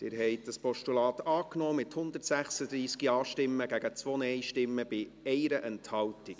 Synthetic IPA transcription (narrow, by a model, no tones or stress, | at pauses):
d̥ɪːɾɦɛɪt̚d̥ɑspɔʃtulɑːt̪ɑːknɔːmɪthʊnd̪ərtsæχsədɾiːskiɑːʃtɪmːəɡæɡət͡sʋoːnɛɪʃtɪmːəb̥ɪ | ɛɪɾəʔɛnthɑltik